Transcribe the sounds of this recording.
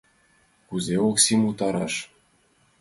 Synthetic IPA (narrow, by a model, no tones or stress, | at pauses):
kuzʲeoksimut̪ɑɾɑʂ